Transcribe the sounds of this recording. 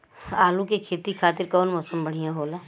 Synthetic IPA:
aːlukekʰeːt̪ikʰaːt̪ɪɾkɔːnmɔːsəmbəɽ̤ijãɦoːlaː

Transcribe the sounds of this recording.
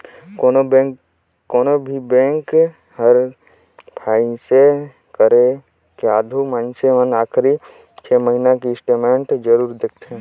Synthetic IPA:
koo | koːnobʱibɛ̃ːŋk | həɾ | pʰaːĩse | kəɾe | keaːd̪ʱumãːnseʋənaːkʰɾi | t͡ʃʰeːməɦinakisʈeːmẽɳʈd͡ʒəɾuːɾd̪ek̚ʰt̪eɦɛ̃

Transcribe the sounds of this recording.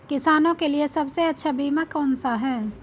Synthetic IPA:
kɪsaːnõkeliesɐbseɐtːʃʰabiːmakɔːnsaɦɛː

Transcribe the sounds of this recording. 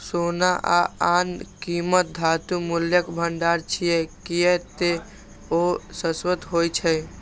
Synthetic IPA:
sonaʔa̰ankimət̪̚d̪ʱat̪umuljəkbʱəɳɖaɾt͡ʃʰijɛkijɛt̪e | osəswət̪ɦojt͡ʃʰɛ

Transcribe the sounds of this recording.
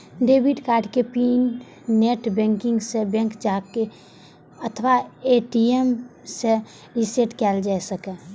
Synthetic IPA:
ɖebiʈkaːɾɖkepinː | eʈbɛ̃ŋkɪ̃ŋɡsebɛ̃ŋkd͡ʒake | ət̪ʰʋaeʈiemse | ɾiseʈkɛld͡ʒaɛsəkɛ

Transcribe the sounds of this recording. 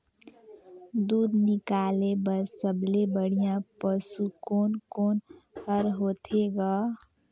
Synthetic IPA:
d̪ud̪nikalebəsəblebəɽ̤ijãpəsukonkonhəɾɦot̪ʰeɡa

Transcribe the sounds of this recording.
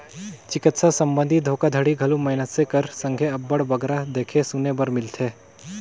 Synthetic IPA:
t͡ʃɪkɪt̪sasə̃mbə̃nd̪ʱid̪ʱoːkad̪ʱəɽiɡʱɐlumɐɦɪnət̪sekəɾsə̃ŋɡʱeɐbːəɽbəɡɾad̪eːkʰesunebəɾmɪlt̪ʰeː

